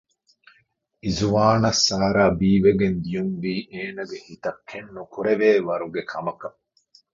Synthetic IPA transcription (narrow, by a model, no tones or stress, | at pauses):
izuʋaːnɐsːaːɾaːbiːʋeɡend̪ijunʋiːʔeːnɐɡehit̪ɐkʰːenːukuɾeʋeːʋɐɾuɡekʰɐmɐkɐ